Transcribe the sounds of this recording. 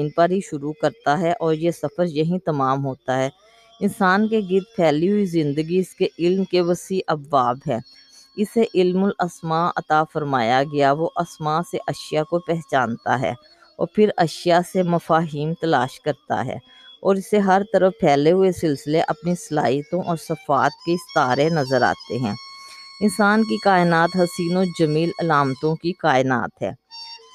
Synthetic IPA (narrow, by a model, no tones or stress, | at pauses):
npɐɾɦiʃʊɾukɐɾt̪aɦɛʔɔːɾjesɐfəɾjɐɦĩt̪ɐmaːmɦoːt̪aɦɛː | ɪnsaːnkeɡɪt̪̚pʰɛːliɦʊizɪ̃nd̪əɡiɪskeʔɪlmkeʋəsiːʔɐbːaːbɦɛ̃ː | ɪseʔɪlmʊlɐsmaɐ̰t̪afəɾmaːjaɡɐjaʋoʔɐsmaːseʔɐʃɪjakopɛɦt͡ʃaːnt̪a̰ɦɛ̰ː | ɔːɾpʰɪɾɐʃijasemɐfaːɦiːmt̪ɐlaːʃkɐɾt̪a̰ɦɛ̰ː | ɔːɾɪseɦɐɾt̪ɐɾəfpʰɛːleɦʊesɪlsɪleʔɐpnisɐla̰ːijt̪õʔɔːɾsɐfaːt̪̚keɪst̪aːɾenɐzəɾa̰ːt̪eɦɛ̰̃ːɪnsaːnkikaːɪnaːt̪ɦɐsiːnod͡ʒɐmiːlɐlaːmt̪õkikaːɪna̰ːt̪ɦɛ̰ː